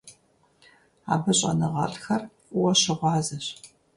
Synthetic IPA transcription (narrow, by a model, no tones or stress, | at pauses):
a̰ːbɨɕʼɐ̰nɨʁɐ̰ɬʼxɐrʷʼ | ʊwɐɕɪʁʷɑːzɐɕ